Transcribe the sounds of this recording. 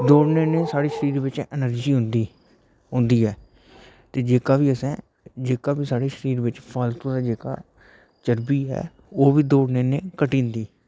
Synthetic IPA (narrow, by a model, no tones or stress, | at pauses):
d̪oːɽneːneːsaːɽeːʃəɾiːɾʋɪt͡ʃɪnəɾd͡ʒiːɦʊnd̪i | ɦʊ̃nd̪iːɦɛː | t̪eːd͡ʒeːkaːʋiːəsɛ̃ː | d͡ʒeːkaːbiːsaːɽeːʃəɾiːɾʋɪt͡ʃpʰaːlt̪õːd̪aːd͡ʒeːka̰ː | t͡ʃəɾbiːɦɛ̰ː | oːʋiːd̪oːɽneːneːkəʈĩːnd̪iː